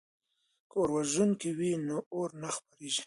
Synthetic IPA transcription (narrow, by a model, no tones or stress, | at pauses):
koɾwaʒunkewinooɾnaxpaɾeʒi̥